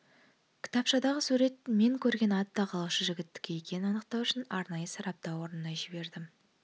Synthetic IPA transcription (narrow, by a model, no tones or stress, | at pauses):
kʲʰɪ̥t̪ɑpʃɑd̪ɑʁəsuɾe̞t̪me̞ŋkʲʰɵɾɡʲe̞nɑt̪ːɑqʰɑlˠɑʃəʒɪɡʲɪt̪ːɪ̥kʲʰe̞jekʲe̞nɪɑnəqt̪ɑwʏʃɪnɑɾnɑjəsɑɾɑp̚t̪ɑwo̞ɾənənɑʒɪbe̞ɾd̪ɪm